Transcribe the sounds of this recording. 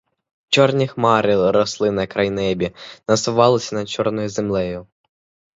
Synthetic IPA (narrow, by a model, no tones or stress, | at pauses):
t͡ʃɔrnʲixmɑɾɪɾɔslˠɪnɐkɾɐjnɛbʲinɐsʊʋɑlˠɪsʲɐnɐt͡ʃɔrnɔjʊzemlˠɛjʊ